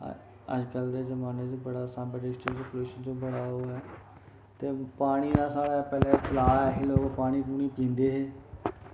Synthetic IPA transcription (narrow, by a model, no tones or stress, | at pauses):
ə̰d͡ʒkəld̪eːzəmaːneːd͡ʒoːbəɽaːsãːmbəɖɪsʈəsəpluːʃənd͡ʒõːbəɽaːɦoːɛː | t̪eːpaːɽ̃iːd̪aːsaːɽaːpɛːlɛ̃ːpəlaːɛːɦɪloːɡpaːɽ̃iːpuːɽ̃iːpĩːnd̪eːɦeː